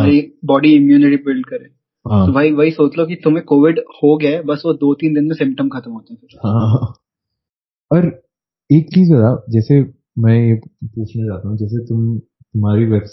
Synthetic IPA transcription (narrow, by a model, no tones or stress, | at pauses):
aibɔːɖiɪmjuːnɪʈibɪlɖ̚kɐɾẽː | ɦãːobʱaːɦiʋɐɦisoːt͡ʃlok̬it̪ʊmẽkoːʋɪɖhoɡjaebɐsʋod̪oːt̪iːnd̪ɪnmẽsɪ̃mp̚ʈəmkʰɐt̪əmɦoːt̪eɦɛ̃t̪ː | hãːɦã | ɔɾ | eːk̚t͡ʃiːzaːd̪ad͡ʒɛːse | mɛ̃ːjepuːt͡ʃʰnat͡ʃaːt̪aɦũd͡ʒɛːs̬et̪ʊm | t̪ʊmɦaːɾiʋɛbs